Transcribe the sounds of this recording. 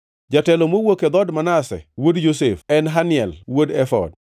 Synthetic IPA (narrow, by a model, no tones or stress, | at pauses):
d͡ʒatɛlomowoked̪ɔdmanasɛ̰wodjosefɛnɦanɪɛlwodɛfɔ̰d